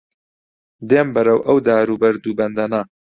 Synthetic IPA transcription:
d̪eːmbɐɾɐwʔɐwd̪aːɾuːbɐɾd̪ubɐnd̪ɐna

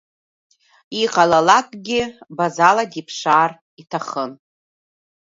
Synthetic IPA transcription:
iqʼalalakʼɡʲɪbazaladipʰʂaːr | itʰaχən

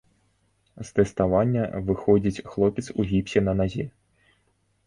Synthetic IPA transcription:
st̪ɛst̪avanʲːɐvɨxɔd͡zʲit͡sʲxlˠɔpʲɛt̪suɣʲipʲsʲɛnɐnazʲɛ

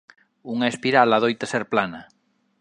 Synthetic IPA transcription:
uŋaespiɾalaðojt̪eseɾplana

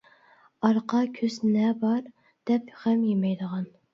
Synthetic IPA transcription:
ɑɾqɑkʲʰøznɛbɑɾ | d̪̥ɛpχɛmjemɛjd̪əʁɑn

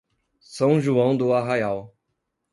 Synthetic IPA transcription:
sɐ̃w̃ʒuɐ̃w̃d̪ʊaɦajaw

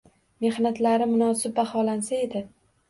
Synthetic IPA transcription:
me̞hnat̪laɾɪmʊnɒsɪp̚bahɒlansae̞d̪ɪ

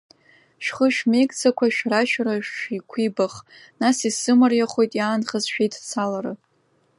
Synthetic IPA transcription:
ʃᶣχəʃᶣme̞jkʼt͡sʰakʷʰaʃᶣraʃᶣraʃikʷʰibaχ | nasisɨmɨrjaχo̞jtʼjaːnχəzʃᶣejtʰt͡sʰalaɾɨ

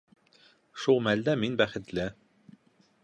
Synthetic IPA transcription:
ʃulˠmæld̪æminbæχɘ̆t̪lɘ

